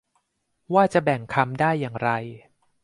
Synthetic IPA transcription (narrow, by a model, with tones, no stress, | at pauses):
waː˥˩t͡ɕa˨˩bɛ˨˩ŋkʰa˧mdaː˥˩jːaː˨˩ŋɾa˧j